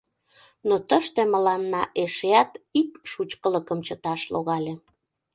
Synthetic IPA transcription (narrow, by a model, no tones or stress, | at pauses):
not̪əʃt̪eməlɑnːɑʔeʃeɑt̪ikʃut͡ɕkələkəmt͡ɕət̪ɑʃloɣɑlʲe